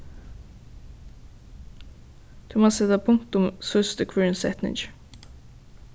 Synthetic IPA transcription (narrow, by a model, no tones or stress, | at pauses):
d̪̥ʉmoːsɛt̪apʰʊŋt̪ʊmsœst̪əkʰwiɹnsɛ̰t̪nɪ̰d͡ʒ